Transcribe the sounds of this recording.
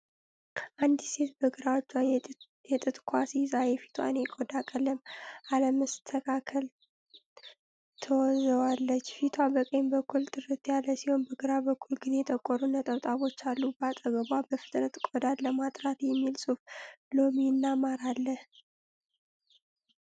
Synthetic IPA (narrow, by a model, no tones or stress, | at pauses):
ʔand̪se̞t̪bəɡɨɾawt͡ʃːwa | jɛt̪ʼɨt̪ʼkʰʷasizaɾefi̥t̪ʰa̰nekʼod̪akʼələmʔaləməst̪ʰəkʰakʰəl | t̪ʰəwɔzəwalːət͡ʃːfit̪ʰwabəkʼənbəkʰːult̪ʼɨɾɨt̪jalːəsiho̞nbəɡɨɾabəkːulɡɨze̞t̪ʰəkʼːɔɾunət̪ʼəβt̪ʼaβo̞t͡ʃːalːubat̪ʼəɡəβʷabəfɨ̥t̪ʼnət̪kʼod̪alːəmat̪ʼɾat̪jɛmːilsʼuflominːamaɾalːəh